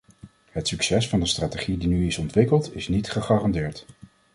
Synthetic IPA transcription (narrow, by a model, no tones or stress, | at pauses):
ɦətsyksɛsfɑndəstraːteχidinyɪsɔntʋɪkəlˠtɪsnitχəχaːrɑndɪːɹt